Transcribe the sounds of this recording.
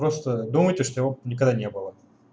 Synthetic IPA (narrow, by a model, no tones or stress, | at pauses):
ɾost̪əd̪uməjtʲɪʂt̪ojɪvonʲɪkɐɡd̪anʲe̞bɨlˠə